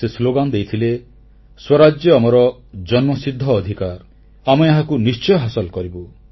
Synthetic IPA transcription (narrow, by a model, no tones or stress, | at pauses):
sesloɡand̪ejt̪ʰile | swɔɾad͡ʒjɔamɔɾɔd͡ʒɔnmɔsid̪ʱːɔːd̪ʱikaɾ | amɔeɦakunist͡ʃɔjɔɦasɔlkɔɾibu